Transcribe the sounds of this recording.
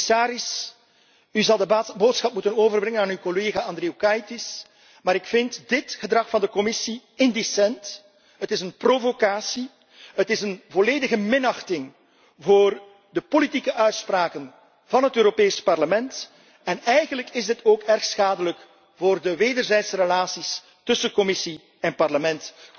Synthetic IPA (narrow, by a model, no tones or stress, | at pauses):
saːɾɪs | yzɑlˠdəboːtsxɑp̚mutənoːvərbrɪŋənaːnywkoleːɣaɑnd̪reːokɑjtɪs | maːɾɪkfɪntdɪtɣədrɑxfɑndəkɔmɪsiɪndisɛnt | ɦətɪsənprovokaːsi | ɦətɪsənvoleːdəɣəmɪnɑxtɪŋ | voːr | dəpolitikəʔœɥtspraːkən | vɑnɦətøːɾopeːspɑrləmɛnt | ɛnɛjɣənləkɪzdɪtʰoːkɛrxsxaːdələk | voːrdəʋeːdərzɛjtsərəlaːsis | tɵsəkɔmɪsi | ɛnpɑrləmɛnt